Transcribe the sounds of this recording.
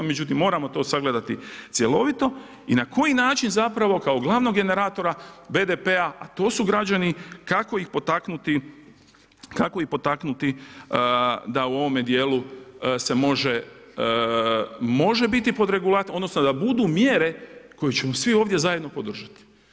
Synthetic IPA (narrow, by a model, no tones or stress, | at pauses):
me̞d͡ʒut̪̬imːo̞ːɾamo̞t̪o̞ːsaɡle̞d̪at̪it̪sje̞lo̞ʋit̪o̞ | inako̞jinaːt͡ʃinzapɾaʋo̞kao̞ɡlˠaːʋno̞ɡe̞ne̞ɾaːt̪o̞ɾabe̞ːd̪epe̞aʔat̪o̞ːsuɡɾad͡ʑanikako̞ixpo̞t̪aknut̪i | kakoixpo̞t̪aknut̪i | d̪auo̞ʋo̞med̪je̞ːluse̞mo̞ʒe | mo̞ʒe̞bit̪ipo̞d̪ɾe̞ɡulˠat̪o̞d̪nosno̞d̪abud̪uːmje̞ːɾe̞ko̞jet͡ɕe̞mo̞sʋio̞ːʋd̪ʲje̞zaje̞d̪no̞po̞d̪r̩ʒat̪i̥